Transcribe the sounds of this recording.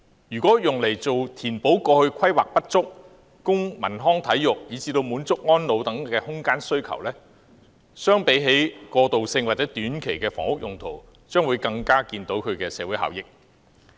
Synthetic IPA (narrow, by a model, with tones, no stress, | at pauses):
jyː˨˩kʷɔː˨˥jʊ˨ŋle˨˩jt͡so˨wt̪ʰiː˨˩npo˨˥wkɔː˧hɵ˧ɥkʷʰɐ˥jwaː˨k̚pɐ˥t̚t͡sʊ˥k̚ː | ʊ˥ŋmɐ̰˨˩nɦɔː˥ŋt̪ʰɐ˨˥jːʊ˨k̚jiː˨˧t͡siː˧t̪o˧wmuː˨˥nt͡sʊ˥k̚ŋɔː˥nlo˨˧wt̪ɐ˨˥ŋkɛː˧hʊ˥ŋkaː˥nsɵ˥ɥkʰɐ̰˨˩wlɛː˥ | sœː˥ŋpe˨˥jɦe˨˥jkɔː˧t̪o˨wsɪ˧ŋwaː˨t̚t͡sɛː˨˥t̪yː˨˥nkʰe˨˩jkɛː˧fɔ̰ː˨˩ŋhʊ˥k̚jʊ˨ŋt̪ʰo̰˨˩w | t͡ʃœː˥ŋwuː˨˧jkɐ˧ŋkaː˥kiː˧nt̪o˨˥wkʰɵ˨˧ɥkɛː˧sɛ̰ː˧wuː˨˥jha̰ː˨wjɪ˨k̚